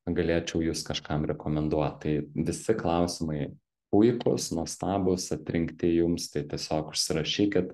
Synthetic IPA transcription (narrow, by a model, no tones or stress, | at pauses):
ɡɐlʲeːt͡ʃʲɛʊjuːskɐʃkɐmɾʲɛkoːmʲɛnd̪uɔt̪t̪ɐɪʋʲɪsʲɪklˠɐʊsʲɪmɐɪ | pʊɪkʊ̰snuɔst̪ɑːbʊsɐt̪ʲɾʲɪŋkt̪ʲɪjʊmst̪ɐɪt̪ʲiɛsʲoːkʊʃʲsʲɪɾɐʃʲiːkʲɪt̪